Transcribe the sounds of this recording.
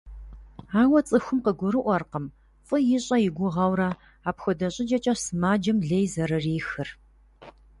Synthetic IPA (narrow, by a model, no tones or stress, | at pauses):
aːwɐt͡sʼɨxʷʊmqəɡʷʊɾɨʔʷɔrqəm | fʼɨjɪɕʼɐjɪɡʷʊʁɐwɾɐ | aːpxʷɔdɐɕʼɪd͡ʒɐt͡ʃʼɐsɨmaːd͡ʒɐmɮejzɐɾɐriːxɨr